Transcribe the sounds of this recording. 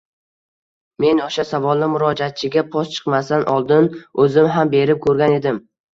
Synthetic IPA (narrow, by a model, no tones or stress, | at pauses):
me̞noʃasavɒlˠnɪmʊɾɒd͡ʒat̪̚t͡ʃʰɪɡʲapʰɒst͡ʃʰɨ̥qmasanʔɒlˠd̪ɪnɵzɪmɦambe̞ɾɪp̚kʲʰɵɾɡʲane̞d̪ɪm